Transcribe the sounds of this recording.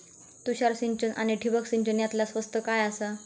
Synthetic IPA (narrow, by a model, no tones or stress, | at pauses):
t̪uɕaɾsiɲt͡ɕənʔa̰ñiʈʰibəksiɲt͡ɕənjat̪lasʋəst̪əkajasa